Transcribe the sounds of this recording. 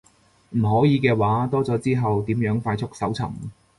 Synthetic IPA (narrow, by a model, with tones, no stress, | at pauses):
m̩˨˩ɦɔː˨˥jiː˨˧kɛː˧waː˨˥t̪ɔː˥t͡sɔː˨˥t͡siː˥ɦɐ˨wt̪iː˨˥mjœː˨˥ŋfaː˧jt͡sʰʊ˥k̚sɐ˨˥wt͡sʰɐ̰˨˩m